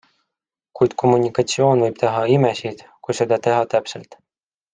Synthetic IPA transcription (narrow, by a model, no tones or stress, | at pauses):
kujd̪̥kʰo̞mːunʲikːɑt̪sio̞ːnvɤjb̥t̪eɦɑimesid̪̥kujse̞d̪ɑt̪e̞ɦɑt̪æpselt̪